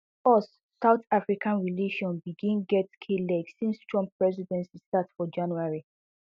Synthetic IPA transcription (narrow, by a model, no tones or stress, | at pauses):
ɔs | saʊtafɹikʰãnɹileʃɔ̃nbiɡĩnɡɛtkʰelɛɡsĩnstʰɹɔ̃mpːɹɛzidɛ̃nsistatsfɔd͡ʒãnuaɹi